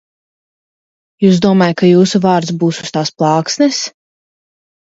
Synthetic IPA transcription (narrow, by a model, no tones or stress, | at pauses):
juːsd̪uɔmɑːjat̪kajuːsuvɑːɾt̪sbuːsu̥st̪aːsplˠɑːksnɛs